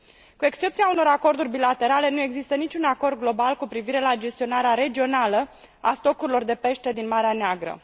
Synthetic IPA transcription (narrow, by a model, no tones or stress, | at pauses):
kue̞kst͡ʃe̞p̚t̪siauno̞ɾako̞rd̪urʲbilat̪e̞ɾale̞nue̞ɡzist̪ənit͡ʃʲunako̞rd̪ɡlo̞balkupɾiviɾe̞lad͡ʒe̞st̪io̞naɾeaɾe̞d͡ʒio̞nalə | ast̪o̞kuɾilo̞rd̪e̞pe̞ʃt̪e̞d̪inmaɾeaneaɡɾə̰